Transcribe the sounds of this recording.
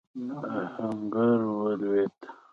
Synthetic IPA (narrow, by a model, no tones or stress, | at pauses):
haŋɡaɾwəlwet̪